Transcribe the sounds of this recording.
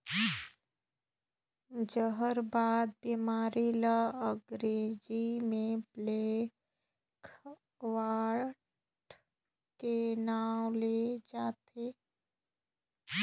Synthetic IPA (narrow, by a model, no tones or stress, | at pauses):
d͡ʒəɦəɾbaːd̪̚bimaːɾilaəɡɾeːd͡ʒimẽbleː | kʰ | waːɾ | ʈ | kenaːwled͡ʒaːt̪e